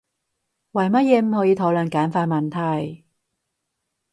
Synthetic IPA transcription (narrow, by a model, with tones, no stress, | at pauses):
wɐ˨˩jmɐ˥t̚jɛː˨˧m̩˨˧hɔː˨˥jiː˨˧t̪ʰo˨˥wlœ˨˩nkaː˨˥nfaː˧t̚mɐ˨nt̪ʰɐ˨˩j